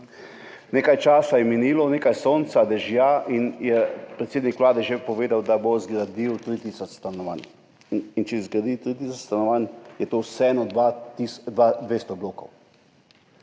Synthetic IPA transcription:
neːkajt͡ʃaːsajɛminiːlɔneːkajsoːnt̪sad̪ɛʒjaʔinjɛpɾɛt̪seːd̪nikʋlaːd̪ɛʒepɔʋeːd̪awd̪abozɡɾad̪iwt̪ɾit̪iːsɔt͡ʃst̪anɔʋa̰n | int͡ʃɛzɡɾad̪it̪ɾit̪isɔt͡ʃst̪anɔʋanjɛt̪owsɛɛːnɔd̪ʋat̪isd̪ʋad̪ʋeːst̪ɔbloːkɔ̰w

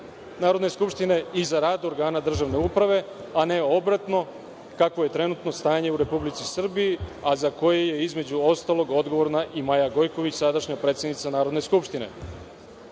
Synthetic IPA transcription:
naːɾo̞d̪ne̞skupʃt̪ine̞izaɾaːd̪oɾɡaːnad̪r̩ʒaʋne̞upɾaʋe̞ | ane̞o̞bɾat̪no̞ | kakʋo̞je̞t̪ɾe̞nut̪no̞st̪aːɲe̞uɾe̞publit̪sisr̩bijiazako̞jeje̞izme̞d͡ʑuo̞st̪aːlo̞ɡo̞d̪ɡo̞ʋo̞ɾnaʔimajaɡo̞jko̞ʋit͡ɕsad̪aʃɲapɾet̪sed̪nit̪sanaːɾo̞d̪ne̞skupʃt̪ine̞̰

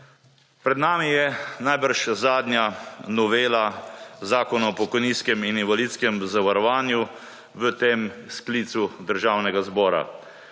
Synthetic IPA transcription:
pɾɛd̪naːmijɛnajbəɾʃzaːd̪njanɔʋeːlazaːkɔnaɔpɔkɔjniːskɛmininʋaliːt̪skɛmzaʋaɾɔʋaːnju | ʋət̪eːmskliːt̪sud̪əɾʒawnɛɡazbɔːɾa̰

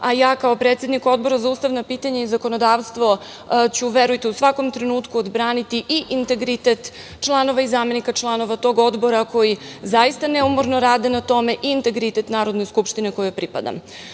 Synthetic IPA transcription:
ajaːkaopɾet̪sje̞d̪niko̞d̪bo̞ɾazauːst̪aʋnapiːt̪aɲaizako̞nod̪aːʋst̪ʋo̞ | t͡ɕuʋeɾujt̪iusʋako̞mt̪ɾenuːt̪kuod̪bɾaːnit̪iʔiʔint̪e̞ɡɾit̪et̪ | t͡ʃlˠano̞ʋaizame̞nikat͡ʃlˠano̞ʋat̪o̞ːɡo̞d̪bo̞ɾako̞jizajist̪aneumoɾno̞ɾaːd̪enat̪o̞me̞ʔiːnt̪e̞ɡɾit̪e̞t̪naːɾo̞d̪no̞jskupʃt̪ineko̞jopɾipa̰d̪a̰m

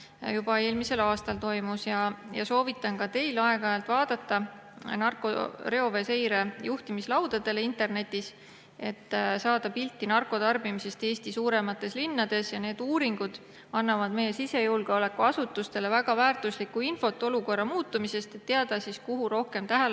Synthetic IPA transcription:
jub̥ɑe̞ːlmise̞lɑːst̪ɑlt̪o̞jmusjɑjɑ̰so̞ːvit̪ːˑɑnkɑt̪e̞jlɑe̞ɡɑjɑlt̪ˑvɑːd̪̥ɑt̪ːˑɑ | nɑrko̞̰ɾe̞o̞ve̞se̞jɾe̞juht̪imislɑwd̪̥ɑd̪̥e̞leint̪e̞rne̞t̪ʲːˑis | e̞t̪ːsɑːd̪ɑpilt̪ːinɑrkˑo̞d̪ɑrb̥imise̞st̪e̞ːsʲt̪isuːɾe̞mɑt̪ːˑe̞slinːɑd̪̥e̞sjɑne̞ːd̪̥uːɾiŋɡ̥ud̪̥ | ɑnːɑvɑd̪me̞jːe̞sise̞julɡ̥eo̞le̞kːuɑsut̪ːˑust̪e̞le̞væɡ̥ɑvæːrt̪uslikːuinfo̞t̪ːˑo̞luko̞rːɑmuːt̪ːˑumise̞st̪e̞t̪ːeɑd̪̥ɑsiskuɦuɾo̞hke̞mt̪æɦæl

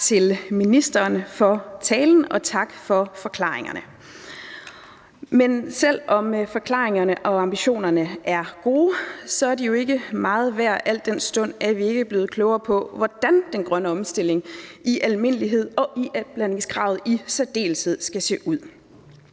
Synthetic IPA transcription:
t͡sʰe̝lminisd̥ɐːnfɒ̽t͡sʰɛːln̩ɒ̽t͡sʰɑ̈ɡ̥fɒ̽fɒ̽kʰlɑ̰̈ːeŋɐnə | mensel̰ɒ̽mfɒ̽kʰlɑ̰̈ːeŋɐnəʔɒ̽ɑ̈mb̥iɕo̝̰ːnɐnəʔæɐɡ̥o̝ːsɒ̽æɐdijo̝e̝ɡ̥əmɑ̈ːð̩ˠʋæɐ̰ʔæl̰d̥en̰sd̥ɔ̽n̰æʋie̝ɡ̥əb̥le̝ːð̩ˠkʰlɔʊɐpʰɒ̽ʋɒd̥ænd̥enɡ̥ʁɶnəɒ̽msd̥e̝l̰e̝ŋʔiʔælme̝nəliɦe̝ð̞̰ˠɒ̽ʔiʔb̥læne̝ŋsɡ̥ʁɑ̈ʊð̞̩ˠisæd̥e̝̰ːlshe̝ð̞̰ˠsɡ̥æse̝̰ːʔuð̰ˠ

